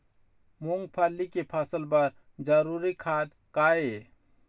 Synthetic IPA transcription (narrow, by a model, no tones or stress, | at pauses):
muŋɡpʰəlːikepʰəsəlbəɾ | d͡ʒəɾuɾikʰaːd̪ | kaːe